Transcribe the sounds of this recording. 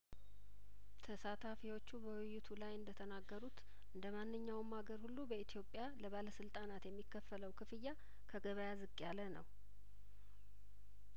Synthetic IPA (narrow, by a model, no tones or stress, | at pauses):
t̪ʰəsat̪ʰafiwo̞t͡ʃːubəwɪjːɪt̪ʰulajɨnd̪ət̪ʰənaɡːəɾut̪ | ʔɨnd̪əmanːɨɲːawmːaɡəɾhulːubəit̪ʰijo̞pʼːjaləβaləsɨlt̪ʼanat̪jɛmːikːəfːələwkʰɨfɨjːa | kʰəɡəβəjazɨkʼːjalənə̰w